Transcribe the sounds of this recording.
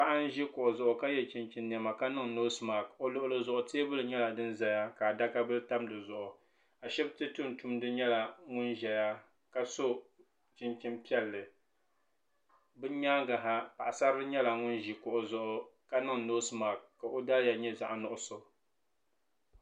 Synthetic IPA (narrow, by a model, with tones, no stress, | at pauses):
pa˦ʔa˦n˦ʒi˦kʊ˨ʔʊ˨zʊ˨ʔʊ˨ka˦jɛ˦t͡ʃi˨nt͡ʃi˦nː˨ɛ˨ma˨ka˦nɨ˦ŋno˦sma˨ko˦lʊ˦ʔʊ˦lɨ˦zʊ˨ʔʊ˨teː˦bɨ˦lɨ˨ɲɛ˦la˨dɨ˦n˦za˨ja˦ka˨da˦ka˦bɨ˦ɨ˦ta˦mdɨ˨zʊ˨ʔʊ˨ | a˨ʃɛ˦btɨ˦tu˦n˨tu˦mdɨ˦ɲɛ˦la˨ŋʊ˦nʒɛ˨ja˦ | ka˦so˦ | t͡ʃi˦nt͡ʃi˦mpi˦ɛ˦lːɨ˨ | bɨ˦ɲaː˦ɡa˨ɦa˦pa˨ʔa˨sa˦ɾɨ˦ɨ˦ɲɛ˦la˨ŋʊ˦nʒi˨kʊ˨ʔʊ˨zʊ˨ʔʊ˨ka˦nɨ˦ŋno˦sma˨kːa˨ʔo˦da˦lja˨ɲɛ˦za˨ʔa˦nʊ˦ʔʊ˦so˨